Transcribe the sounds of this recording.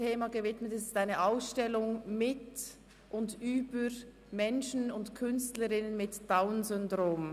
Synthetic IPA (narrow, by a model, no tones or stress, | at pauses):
eːmaɡəvɪtmətɛsɪ̥staɪnəʔaʊsʃtɛlʊŋmɪt | ʔʊndyːbəɾ | mɛnʃn̩ʊntkʰʏnstləɾɪnənmɪtd̥aʊnzʏndʁoːm